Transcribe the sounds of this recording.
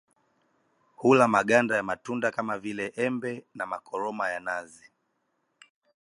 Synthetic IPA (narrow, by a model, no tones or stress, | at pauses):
hulamaɠandajamatundakamavilɛʔɛmbɛnamakɔɾɔmajanazi